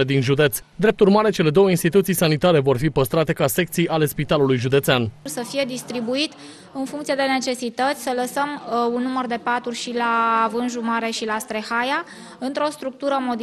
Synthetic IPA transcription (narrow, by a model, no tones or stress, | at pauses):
ed̪inʒud̪e̞t̪sʲd̪ɾe̞p̚t̪urmaɾe̞t͡ʃe̞le̞d̪o̞wəinst̪it̪ut̪sijsanit̪aɾe̞vo̞rfipəst̪ɾat̪e̞kase̞k̚t̪sijʔale̞spit̪alulujʒud̪e̞t̪seanrsəfije̞d̪ist̪ɾibuit̪ | ɨnfuŋkt̪sije̞d̪e̞ne̞t͡ʃe̞sit̪ət̪sʲsələsəmunːumərd̪e̞pat̪urʲʃilaːvɨnʒumaɾe̞ʃilast̪ɾe̞xaja | ɨnt̪ɾo̞st̪ɾuk̚t̪uɾəmo̞d̪